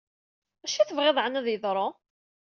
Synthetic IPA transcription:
æʃæθvʁeðˤʕənæðjəðˤɾˤo

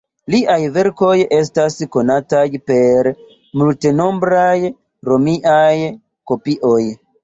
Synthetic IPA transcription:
liʔajve̞ɾko̞je̞s̬tasko̞natajpe̞ɾ | multeno̞mbɾaj | ɾo̞miʔaj | ko̞piʔo̞j

